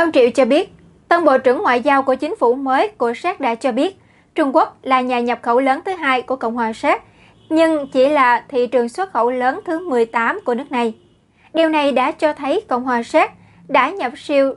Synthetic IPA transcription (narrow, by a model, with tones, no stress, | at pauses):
ʔə˧wŋ͡mt͡ɕḭ˧˨wt͡ɕɔ˧ɓi˦˥ət̚ | t̪ə˧nɓo̰˧˨t͡ɕɨ̰˧˩əŋːwa̰ː˧˨jzaː˧wku˧˩ət͡ɕï˨˦ŋ̟fṵ˧˩məː˨˦jku˧˩əsɛː˦˥t̚ɗa̰ː˧˥t͡ɕɔ˧ɓi˦˥ət̚ | t͡ɕʊ˧ŋ͡mku˦˥ək̚laː˨˩ɲaː˨˩ɲə˨˩p̚xə˧˩wləː˨˦nt̪ʰɨ˨˦ɦaː˧jku˧˩əkə̰˧˨wŋ͡mhwaː˨˩sɛ˦˥t̚ | ɲɨ˧ŋt͡ɕi˧˩laː˨˩t̪ʰḭ˧˨t͡ɕɨ˨˩əŋswə˦˥t̚xə˧˩wləː˨˦nt̪ʰɨ˨˦mɨ˨˩əjt̪aː˨˦mku˧˩ənɨ˦˥ək̚na˨˩j | ɗi˨˩wna˨˩jɗa̰ː˧˥t͡ɕɔ˧t̪ʰə˨˦jkə̰˧˨wŋ͡mhwaː˨˩sɛ˦˥t̚ | ɗa̰ː˧˥ɲə˨˩p̚si˧əw